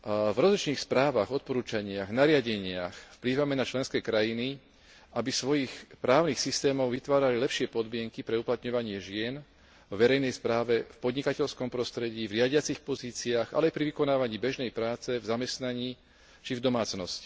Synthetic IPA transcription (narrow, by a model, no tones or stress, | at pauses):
vɾɔzlit͡ʃniːxspɾaːʋaɣɔt̪̚pɔɾuːt͡ʃaɲɪaɣnaɾɪaɟɛɲɪaxfpliːʋamɛnat͡ʃlɛnskɛːkɾajini | ʔabisʋɔjixpɾaːʊnixsist̪ɛːmɔʊʋit̪ʋaːɾalilɛpʃɪɛpɔd̪mɪɛŋkipɾɛuplat̪ɲɔʋaɲɪɛʒɪɛn | vʋɛɾɛjnɛjspɾaːʋɛfpɔd̪ɲikacɛʎskɔmpɾɔst̪ɾɛɟiːvɾɪaɟɪat͡sixpɔziːt͡siaːɣa̰lɛajpɾiʋikɔnaːʋaɲiːbɛʒnɛjpɾaːt͡sɛvzamɛst̪naɲiː | t͡ʃivd̪ɔmaːt͡snɔsci̥